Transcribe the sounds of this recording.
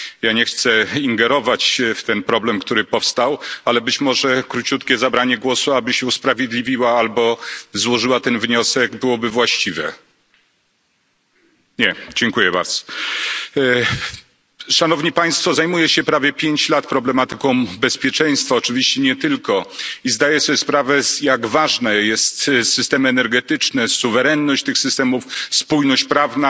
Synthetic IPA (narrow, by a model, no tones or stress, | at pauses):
jaɲɛxt̪sɛiŋɡɛɾɔvat͡ɕft̪ɛnpɾɔblɛmkt̪uɾɘpɔfst̪awalɛbɘt͡ɕmɔʐɛkɾut͡ɕut̪kʲɛzabɾaɲɛɡwɔsuabɘɕɛuspɾavʲjed̪lʲivʲiwaalbɔzwɔʐɘwat̪ɛnvɲɔsɛɡbɘwɔbɘvwaɕt͡ɕivɛ | ɲɛd͡ʑɛŋkujɛba̰ɾd̪z̥ɔ̥ | ʂanɔvɲipaj̃st̪fɔzajmujɛɕɛpɾavʲjɛpʲjeɲt͡ɕlat̪pɾɔblɛmat̪ɘkɔ̃w̃bɛspʲjɛt͡ʂɛj̃st̪faɔt͡ʂɘvʲiɕt͡ɕɛɲɛt̪ɘlkɔizd̪ajɛsɔspɾavɛjaɡvaʐnɛjɛst̪sɨst̪ɛmɘɛnɛɾɡɛt̪ɘt͡ʂnɛsuvɛɾɛnːɔɕt͡ɕt̪ɘxsɘst̪ɛmufspujnɔɕt͡ɕpɾavna